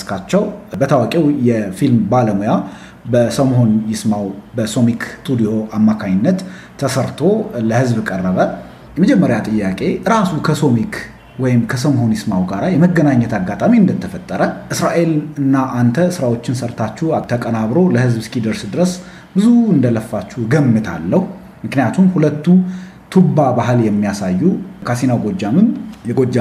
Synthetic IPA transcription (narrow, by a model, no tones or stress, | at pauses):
skʰat͡ʃːɛwbət̪ʰawakʼewjɛfilmbaləmoja | bəsəmho̞njɪsmawbəsomikt̪ʰʼud̪ijo̞ʔamːakʰaɲːɪnːət̪ːʰ | əsəɾt̪ʰo̞ləhɨzbkʼərːəβə | məd͡ʒɛmːəɾjat̪ʼɨjːakʼe̞ɾasukʰəso̞mik | wɔjɪmkʰəsəmɦo̞njɪsmawɡaɾajɛməɡːənaɲːət̪ʰaɡːat̪ʼamiɨnd̪ət̪ʰːəfət̪ʼːəɾəʔɨsɾaʔe̞lɨnːaʔant̪ʰəsɨɾawo̞t͡ʃːɪnsəɾt̪ʰat͡ʃːut̪ʰəkʼənaβɾo̞ləhɨzbɨskʼid̪əɾsd̪ɨɾəs | bɨzuɨnd̪ələfːat͡ʃːuɡəmːɨt̪ʰa̰lːəhu | mɨknɨjat̪ʰumhulət̪ːu | t̪ʰubːabaɦɨljɛmːijasajːukʰasinawɡo̞d͡ʒːamɨnjɛɡod͡ʒːa